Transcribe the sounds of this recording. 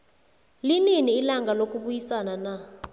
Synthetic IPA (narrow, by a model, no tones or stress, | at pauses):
lininiːlaŋɡalokʼuɓujisanana